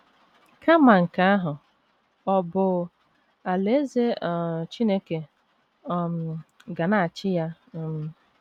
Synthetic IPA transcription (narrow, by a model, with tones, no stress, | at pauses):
kʰa˦ma˨ŋ̩˨ka˦a˦ɦʊ˨ | ɔ˨bʊ˨ | a˨le˦ze˦˨t͡ʃi˦ne˦ke˨˦˨ | m̩˨ɡa˨na˦˨a˨t͡ʃɪ˦ja˦ | m̩˦